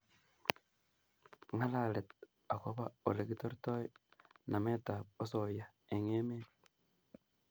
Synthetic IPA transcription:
ŋalalet | akoβaoɾeɡitoɾitojinametaosoja | eŋemeni

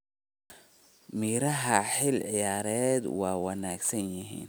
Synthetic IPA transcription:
miːɾɐɦɐħɪlʕɪjaːɾɛːd̪wɑːwɑnaːɡsɐnjɪɦḭːn

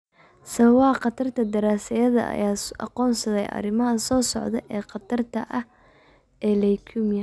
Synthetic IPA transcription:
sɐβɐβɐhɐqɑt̪ʰɐrt̪ʰɐd̪ɐɾaːsɐjɐðɐ̰ʔɐ̰jaːɑ̰qɔːnsɐðɛjʔɐ̰rɪmɐɦɐsɔːsɔʕðɐʔɛːqɑt̪ʰɐrt̪ʰɐʔɐh | ʔɛːlɛjkʰuːmjɐ

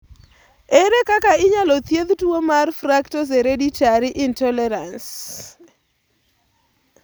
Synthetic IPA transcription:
eɾekakaɪɲalɔt̪jed̪twomarfraktɔs̬eɾeditaɾiʔɪntɔlɛɾans

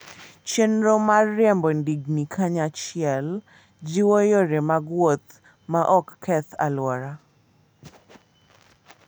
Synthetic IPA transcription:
t͡ʃɛnɾomarjɛmbondiɡnikʰaɲat͡ʃɪɛl | d͡ʒiwojoɾemaɡwot̪ | maʔɔkːɛt̪a̰lwɔɾa

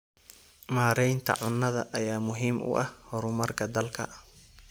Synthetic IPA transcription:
maːɾɛjnt̪ʰɐ̰ʕʊnːɐðɐʔɐjaːmʊɦiːmʔʊ̰ʔɐhhɔɾʊmɐrkʰɐd̪ɐlkʰɐ̰

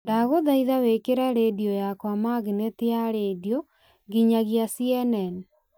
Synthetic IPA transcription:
daɣoðaiðawekeɾaɾediɔjakwamaɣineteaɾediɔ | ɣiɲaɣjasiɛnɛn

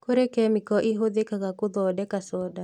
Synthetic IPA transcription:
koɾekɛmɪkɔʔiɦoðekaɣakoðɔdɛkasɔda

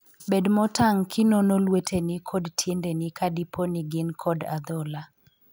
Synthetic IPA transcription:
bedmɔtaŋkʰɪnonolwetʰenɪkʰɔdtʰjendenɪkʰadipʰonɪɡɪnkʰɔdad̪ɔla

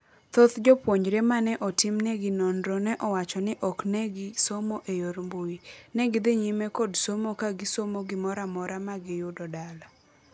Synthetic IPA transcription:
t̪ot̪d͡ʒɔpwoɲd͡ʒɾemanɛʔɔtɪmnɛɡɪnondɾɔnɛʔɔwat͡ʃɔnɪʔɔknɛɡɪsomoʔejoɾmboinɛɡɪd̪ɪɲimɛkɔdsomokaɡɪsomoɡɪmɔɾamɔɾamaɡɪjʊdɔdala

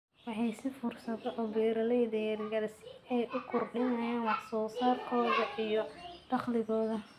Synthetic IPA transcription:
wɑħɑjsɪfʊrsɐðɛʔɔbɛːɾɐlɛjd̪ɛɾɪɣɐlsɛjʔʊkʰʊrɖɪnɐjaːnwɑħsɔːsaːrkʰɔːðɐʔijɔɖɑχlɪɣɔːðɐ

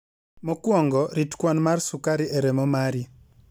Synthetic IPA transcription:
mɔkwɔŋɡɔɾitkwanmarsukaɾiʔeɾemɔmaɾi

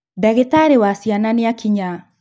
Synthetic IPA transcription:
daɣetaɾewasiananeakʰiɲa

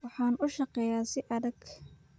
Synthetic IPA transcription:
wɑħɑːnʊʃɑqɛjaːsɪʔɐðɐɡ

